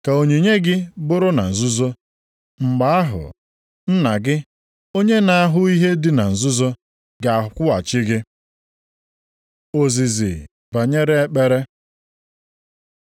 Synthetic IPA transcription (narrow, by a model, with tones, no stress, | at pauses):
ka˨o˨ɲe˨ɲe˦ɡɪ˦bʊ˦ɾʊ˦na̰˨n̩˨zʊ˦zo˦ | ŋ͡m̩˨ɡ͡ba˨a˦ɦʊ̰˨ | n̩˦na˨ɡɪ˦ | o˦ɲe˦na˨a˦ɦʊ˦i˦ɦe˦dɪ˦na˨n̩˨zʊ˦zo˦ | ɡa˨a˨ɦʊ˨kʷʊ˦a˨t͡ʃɪ˦ɡɪ˦ | o˨zi˨zɪ̰˨ | ba˨ɲe˦ɾe˦e˦k͡pe˦ɾe˦